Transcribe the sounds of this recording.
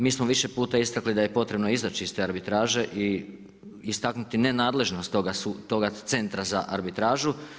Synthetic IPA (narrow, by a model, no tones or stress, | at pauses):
miːsmoʋiʃe̞puːt̪aist̪aklid̪aje̞po̞t̪ɾe̞bno̞izat͡ʃiist̪e̞aɾbit̪ɾaːʒe̞ʔiː | st̪aknut̪ine̞naːd̪le̞ʒno̞st̪oɡasut̪o̞ɡat̪se̞nt̪ɾaza̰ʔa̰ɾbit̪ɾaːʒu